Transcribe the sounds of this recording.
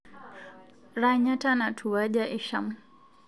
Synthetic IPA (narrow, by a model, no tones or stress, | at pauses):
ɾaɲatanatʰuwaʄaʔiʃamu